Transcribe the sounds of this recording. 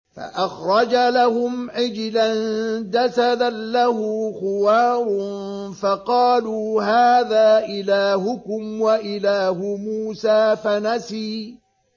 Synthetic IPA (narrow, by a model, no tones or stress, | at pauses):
fa̰ʔaxɾˤɑd͡ʒalahʊmʕɪd͡ʒland̪asad̪anlahʊxʊwaːɾˤʊnfɑqɑːluːɦaːðaːʔɪlaːhʊkʊmwaʔɪlaːhʊmuːsaːfanasiː